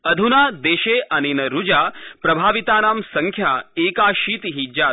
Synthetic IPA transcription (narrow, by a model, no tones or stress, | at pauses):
ɐd̪ʱunaːd̪eːʃeːʔɐninɐɾud͡ʒaːpɾɐbʱaːʋit̪aːnaːmsɐŋkʰjaːeːkaːʃiːt̪iɦid͡ʒaː